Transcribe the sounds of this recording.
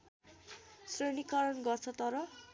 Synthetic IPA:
srenikʌɾʌnɡʌrt͡sʰʌt̪ʌɾʌ

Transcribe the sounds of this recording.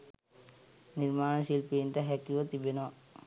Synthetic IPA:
niɾmaːɳ̃əʃilpiːnʈɐɦɛkːuʋot̪ibenɔ

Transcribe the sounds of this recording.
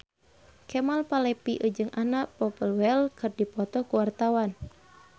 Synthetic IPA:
kɛmalpalɛpiʔud͡ʒɨŋʔanaʔpɔpəlwɛlkɨrdipɔt̪ɔkuwart̪awan

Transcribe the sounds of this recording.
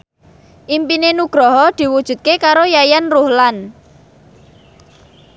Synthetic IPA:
ʔimpinenuɡ̥ɾɔɦɔd̪̥i̤wud̥ʒ̥ṳt̪̚kekaɾojajanruhlan

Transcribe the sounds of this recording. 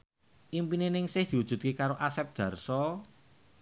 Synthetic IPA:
ʔimpinenɪŋsɪhd̪̥i̤wud̥ʒ̥ṳt̪̚kekaɾoʔasɛp̚d̪̥ä̤rsɔ

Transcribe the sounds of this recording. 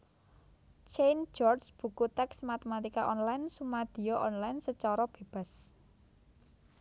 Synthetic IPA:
t͡ʃend͡ʒɔrsb̥ṳkut̪ɛksmat̪emat̪ikaʔɔnlaɪnsumad̪̥i̤ɔʔɔnlaɪnsət͡ʃɔɾɔb̥e̤b̥a̤s

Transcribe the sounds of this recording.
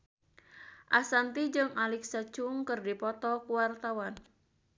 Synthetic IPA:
ʔasant̪id͡ʒɨŋalɪksat͡ʃʊŋkɨrdipɔt̪ɔkuwart̪awan

